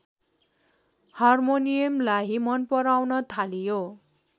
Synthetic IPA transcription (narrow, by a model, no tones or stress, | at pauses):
hʌrmonijʌmlaɦimʌnpʌɾawnʌt̪ʰalijo